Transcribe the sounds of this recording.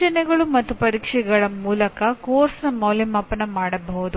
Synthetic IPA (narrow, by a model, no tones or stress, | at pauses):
t͡ʃɐnɛɡɐɭumɐt̪ːupɐɾiːkʂɛɡɐɭɐmuːlɐkɐkoːɾsnɐmɐwlimɐpːɐnːɐmaːɽɐbɐɦud̪u